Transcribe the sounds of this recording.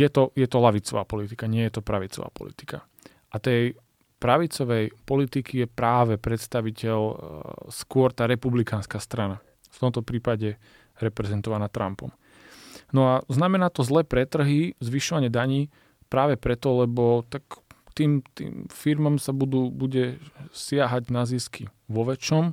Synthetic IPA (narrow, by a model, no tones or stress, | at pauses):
jɛt̪ɔjɛt̪ɔlaʋit͡sɔ̰ʋa̰ːpɔlit̪ikaɲɪɛjɛt̪ɔpɾaʋit͡sɔ̰ʋa̰ːpɔ̰lḭt̪i̥ka̰ | ʔat̪ɛj | pɾaʋit͡sɔʋɛjpɔlit̪ikʰijɛpɾaːʋɛpɾɛt̪st̪aʋicɛʎskʊɔɾt̪aːɾɛpublikaːnskaːst̪ɾana | ft̪ɔmt̪ɔpɾiːpaɟɛ | ɾɛpɾɛzɛnt̪ɔʋanaːt̪ɾa̰mpɔ̰m | nɔaznamɛnaːt̪ɔzlɛːpɾɛt̪r̩ɦizʋiʃɔʋaɲɪɛd̪aɲiː | pɾaːʋɛpɾɛt̪ɔlɛbɔt̪akt̪iːmt̪ḭːmfiɾmamsabud̪uːbuɟɛsɪaɦaɟnaziːskʰi | ʋɔʋɛt͡ʃɔm